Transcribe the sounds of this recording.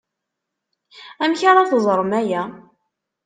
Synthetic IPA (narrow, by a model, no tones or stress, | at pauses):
æmçaɾˤɑθzˤɾˤmæjæ